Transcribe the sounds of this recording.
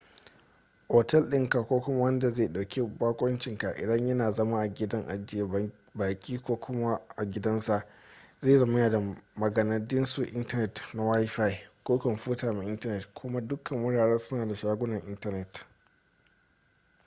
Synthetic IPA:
ʔoː˨tɛ˦lɗɪ˦ŋka˨kʷoː˦kʷʊ˦ma˦wɐ˦nda˨zeː˦˨ɗa˨wkʲi˦baː˦kʷʼɐ˦nt͡ʃɪ˨ŋka˨ʔɪ̰˨dɐ˦ɲjɐ˦naː˨zɐ˦ma˦ʔa˨ɡʲɪ˦dɐ˦ŋʔa̰˨d͡ʒɪ˦˨ja˨ | baː˨kʲʼiː˦kʷoː˦kʰʷʊ˦ma˦ʔa˨ɡʲɪ˦dɐ˦nsa˨ʔ | zeː˦˨zɐ˨ma˦jaː˨da˨mɐ˨ɡɐ˨nɐ˨dɪ˦nsu˨ʔɪ˦ntɐ˦nɛ˨tna˨wa˦jɸa˦jkoː˦kɐ˨mɸuː˦taː˨me˨ʔɪ˦ntɐ˦nɛ˨tkʷʰʊ˦ma˦dʊ˦kʰɐ˨mwʊ˦ɽaː˨ɽɛː˦rsʊ˦naː˨da˨ʃaː˦ɡʷʊ˦nɐ˨ŋʔɪ˦ntɐ˦nɛ˨t

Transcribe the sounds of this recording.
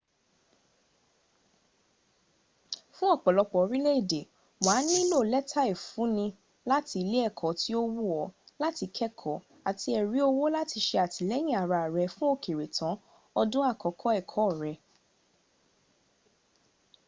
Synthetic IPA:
fũ˦ɔ˦˨k͡pɔ˨lɔ˧k͡pɔ˨˧˦ɾĩ˦le˦i˦˨de˨ | waː˨˦nĩ˦i˦lo˦˨lɛ˦tʰa˦e˦˨fũ˨˦nĩ˧ | la˦ti˧le˦ɛ˦˨kʰɔ˨˦ti˦o˦wu˦˨ɔ˨˦la˦ti˧kʰɛ˦kʰɔ˨ | a˨ti˧ɛ˨ɾi˨˦o˧wo˦la˦ti˧ʃe˧a˨ti˨lɛ˦j̃ĩ˦˨a˨ɾa˧˨ɾɛ˨˧fũ˦o˦˨ke˨ɾe˨tʰã˨˦ | ɔ˧dũ˦a˦˨kɔ˨kʰɔ˨˦ɛ˦˨kʰɔ˨˦˨ɾɛ˧

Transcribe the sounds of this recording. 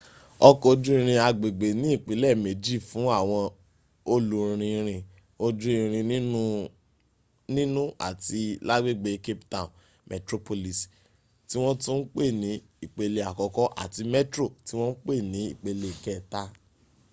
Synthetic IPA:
ɔ˧ko˧dũ˦ĩ˦˧ɾ̃ĩ˧a˧ɡ͡be˨ɡ͡be˨nĩ˨˦i˦˨k͡pi˨˦lɛ˦˨me˨˦d͡ʒi˦˨fũ˨˦a˦˨w̃ɔ̃˧ | o˧lu˨ɾɾ̃ĩ˧ɾ̃ĩ˧ | o˧du˦ĩ˧ɾ̃ĩ˧˦ | nĩ˦nũ˦a̰˦˨ti˧la˦ɡ͡be˦ɡ͡be˨˦ke˦ptã˦˨ | mʔɛ˨tɾo˧po˧li˨s | ti˦w̃ɔ̃˦tũ˦n̩˦k͡pe˦˨nĩ˨˦ | i˦˨k͡pe˧le˧a˨kɔ˨kɔ˨˦ʔa̰˦˨ti˧mɛ˦tɾo˦˨ti˨˦w̃ɔ̃˦n̩˦k͡pe˦˨nĩ˨˦ḭ˦˨k͡pe˧le˧˨kɛ˦˨ta˦

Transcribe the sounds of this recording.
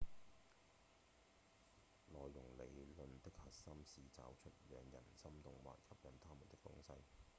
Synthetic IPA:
lɔː˨jːʊ˨˩ŋle˨˧jlɵ˨nt̪ɪ˥k̚hɐ˨t̚sɐ˥msiː˨t͡sa̰ː˨wt͡ʃʰɵ˥t̚jœː˨˧ŋjɐ̰˨˩nsɐ˥mt̪ʊ˨ŋwa̰ː˨t̚kʰɐ˥p̚jɐ˨˧nt̪ʰaː˥muː˨˩nt̪ɪ˥kt̪ʊ̰˥ŋsɐ˥j

